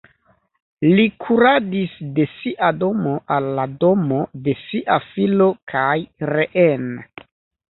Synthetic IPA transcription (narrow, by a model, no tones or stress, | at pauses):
likʰuɾadisde̞siʔado̞mo̞ʔalːado̞mo̞de̞siʔafilo̞kʰajɾeʔen